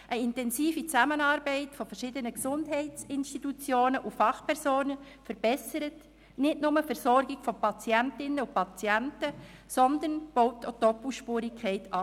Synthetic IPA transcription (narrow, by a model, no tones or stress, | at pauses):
ʔəɪntɛnsiːfit͡sæmənɑːɾbɛɪtfofərʃɪdənəksʊndɦɛɪtt͡sɪnʃtitut͡sjoːnəʔufɑχpʰɛɾsoːnə | fəɾb̥ɛsəɾət | nɪdnʊməfɛɾsɔɾɡɪɡ̥fɔpɑt͡sjæntɪnːəupɑt͡sjæntəsɔnd̪ənb̥oʊtʰːotɔpl̩ˠʃpuːɾɪkʰɛɪtɑ